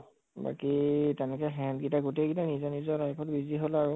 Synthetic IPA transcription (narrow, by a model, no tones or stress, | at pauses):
ba̰kitɛnɛkɛɦɛndɡitaɡuteɡitanizɔnizɔɹajpʰɔtbiziɦolaɹu